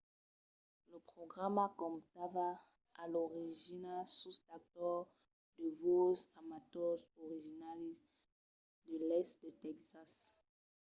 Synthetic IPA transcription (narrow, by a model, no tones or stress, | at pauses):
ləpχoɡʁamakɔmt̪ava | aloʁiʒinasust̪ak̚t̪ɔʁ | d̪əvosamat̪ɔsɔʁiʒinalis | d̪əlɛstd̪et̪ɛksas